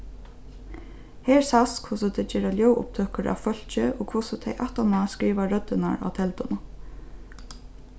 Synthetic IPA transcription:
hɛːɹsaskʰʊsʊt̪ʰɛt͡ʃɛːɾaljɔwʊ̰p̚t̪ʰøːhkəɾʔa̰ʋfœl̥t͡ʃɪoːkʰʊsʊt̪ʰɛjʔa̰ht̪amaskɾiːʋaɹœt̪ɪnaɹa̰wt̪ʰɛlt̪ʊnʊ

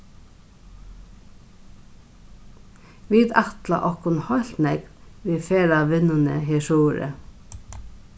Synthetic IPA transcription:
ʋiːd̪ɑt̪la̰ʔɔhkʊnhɔl̥t̪nɛkʋiːfeːɾaʋɪnʊnəɦɪːʃuːɾə̰

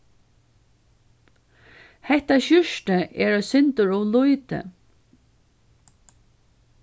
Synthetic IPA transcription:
hɛht̪aɕʏʃʈəɛɹɔːsʏnt̪əɹʊlʊjt̪ə̰

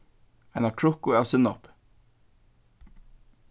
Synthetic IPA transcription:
aɪjnakʰɹʊhkʊawsʏnɔp

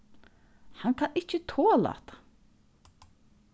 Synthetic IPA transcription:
hankʰanɪt͡ɕət̪ʰoːla̰t̪ḁ

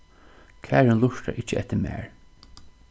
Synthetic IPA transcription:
kʰæːɹənlʊʂta̰ɾʔɪt͡ʃːəɛt̪ːɪɾmæ̰ːɹ

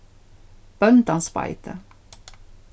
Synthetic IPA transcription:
b̥œnt̪ɑnspɑ̰ɪt̪ʰə

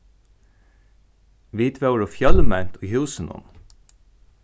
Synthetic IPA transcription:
ʋiːt̪ʰʋæʉɹoːfjɑləmænt̪ʰohʉːsənɔ̰n

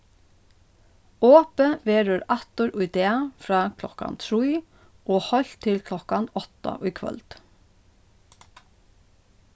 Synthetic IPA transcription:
oːpəʋeːɹøːɾɑt̪ʊɾʔʉʏd̪eːɑfɾɑːkʰlɔkɑ̰nt̪ʰɹiː | oːhɔlt̪ʰɪlkʰlɔkɑnɔt̪ɑ̰ʔʉːkʰʋœ̰lt̪

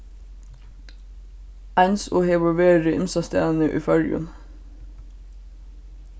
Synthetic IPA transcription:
ænso̰ːheːʋɔʋeːɾəʔɪnsɑst̪æːnəʔy̰ːfœɹʉ̰n

